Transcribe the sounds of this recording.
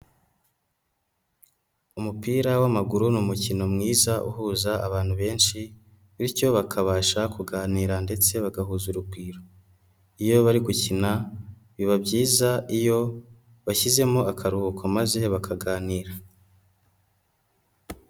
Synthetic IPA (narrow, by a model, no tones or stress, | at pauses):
umupiːɾawamaɡuɾunumucino̞mŋiːzaʔṵhuːzaaβaːn̥huβe̞ːnʃi | βiɾco̞βakʰaβaːʃakuɡaːniːɾande̞t͡se̞βaɡahuːzuɾubɡiːɾo | ijo̞βaɾiɡucina | βiβabɟiːzaijo̞ | βaçize̞mo̞akʰaɾuhukʰamaze̞βakʰaɡaːniːɾa